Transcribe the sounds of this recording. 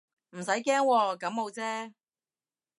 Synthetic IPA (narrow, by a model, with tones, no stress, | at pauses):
m̩˨˩s̬ɐ˨˥jkɛː˥ŋwɔː˧kɐ˨˧˥mmo˨˧wt͡sɛː˥